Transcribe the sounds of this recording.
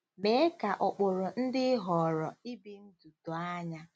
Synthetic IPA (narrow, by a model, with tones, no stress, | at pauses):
me˨˦ka˨ʔɔ˨k͡pʊ˨ɾʊ˨n̩˦dɪ˦ɦɔ˨ɾɔ˨i˦bi˦n̩˦du˨tɔ˨a˦ɲa˦